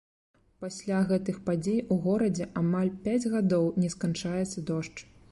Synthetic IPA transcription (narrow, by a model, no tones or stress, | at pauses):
pasʲlʲaɣɛt̪ɨxpad͡zʲejuɣɔɾɐd͡zʲɛʔamalʲpʲad͡zʲɣad̪ɔwnʲɛskant͡ʂajɛt̪sɐd̪ɔʂt͡ʂ